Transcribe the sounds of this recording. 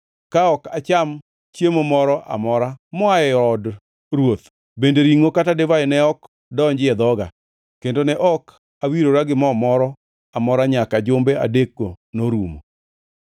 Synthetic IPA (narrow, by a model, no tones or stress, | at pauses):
kaɔkat͡ʃam | t͡ʃjemomɔɾɔʔa̰mɔɾamɔaɛɔd | ɾwot̪ | bendeɾiŋokatadevaɛnɛɔk | dɔɲd͡ʒɪɛd̪ɔɡa̰ | kendonɛʔɔk | awiɾoɾaɡɪmɔmɔɾɔ | amɔɾaɲakad͡ʒombea̰dekonoɾumo̰